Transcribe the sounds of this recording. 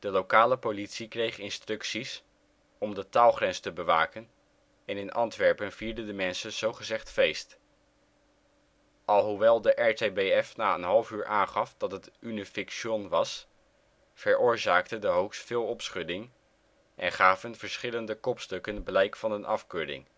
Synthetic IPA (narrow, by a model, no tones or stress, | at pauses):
d̥əlowkaːləpolitsikrejχɪnstrɵksis | ɔmdətaːlˠχrɛnstəbəʋaːkən | ɛnɪnʔɑntʋɛɹpənv̥iːɹdədəmɛnsənz̥owχəzɛχtfejst | ʔɑlˠɦuʋɛlˠdəʔɛɹtejbejɛfnaːənɦɑlˠəfyːɹʔaːnχɑfdɑtɦətynəfɪkʃɔnʋɑs | fəɹʊːɹzaːktədəɦowkstfɪːlˠɔpsχɵdɪŋ | ʔɛ̰nχaːvənv̥əɹsχɪləndəkɔpstɵkənblɛjkfɑnənʔɑfkøːdɪ̰ŋ